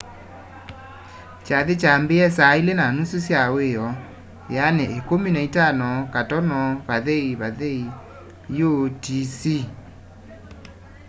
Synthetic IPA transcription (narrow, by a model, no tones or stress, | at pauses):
t͡ʃaðet͡ʃambeɛsailenanususjaweɔ | janɛekominaitanɔkatɔnɔβaðeiβaðei | jotisi